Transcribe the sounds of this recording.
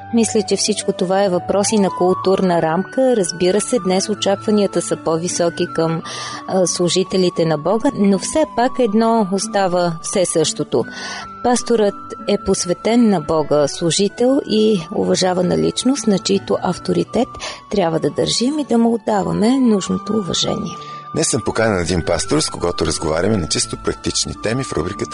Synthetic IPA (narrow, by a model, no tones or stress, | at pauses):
mislʲɛt͡ʃɛfsit͡ʃkot̪ovaɛvɐpɾɔsinɐkʊlˠt̪uɾnəɾamkəɾəzbiɾəsɛd̪nɛsot͡ʃakvəniət̪əsəpɔvisɔkikəm | slˠʊʒit̪ɛlit̪ɛnɐbɔɡənofsɛpakɛd̪nɔost̪avəfsɛsɤʃt̪ot̪o | past̪oɾət̪ɛposvɛt̪ɛnːɐbɔɡəslˠuʒit̪ɛlˠiʊ̰vɐʒavənɐ̰lḭt͡ʃnost̪nɐt͡ʃiit̪oʔɐft̪oɾit̪ɛt̪ː | ɾʲjabvəd̪ɐd̪ə̰ɾʒimid̪ɐmɛʊd̪ːavɐ̰mɛnuʒnot̪oːvɐ̰ʒɛ̰nʲḭɛ | nɛsəmpokanʲɛlˠɛd̪inpast̪oɾskoɡɔt̪oɾəzɡova̰ɾʲɐmɛnɐt͡ʃist̪opɾɐk̚t̪it͡ʃnḭt̪ɛmifɾṵbɾikət̪ə̥